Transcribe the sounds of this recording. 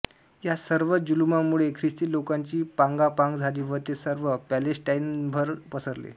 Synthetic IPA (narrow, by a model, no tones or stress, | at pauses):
jasəɾʋəd͡ʑulumamuɭekʰɾist̪iːlokaɲt͡ɕiːpãŋɡapãŋɡd͡zʱaliːʋəɾt̪esəɾʋəpælesʈainbʱəɾpəsəɾlḛ